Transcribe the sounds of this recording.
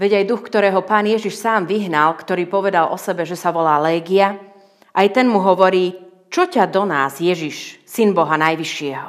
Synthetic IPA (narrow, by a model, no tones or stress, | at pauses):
ʋɛɟajd̪uxkt̪ɔɾɛːɦɔpaːnɪjɛʒiʃsaːmʋiɦnalkt̪ɔɾiːpɔʋɛd̪alʔɔsɛbɛʒɛsaʋɔlaːlɛːɡia | ʔajt̪ɛnmuɦɔʋɔɾiː | t͡ʃɔcad̪ɔnaːzjɛʒiʃsinbɔɦanajʋiʃɪɛɦɔ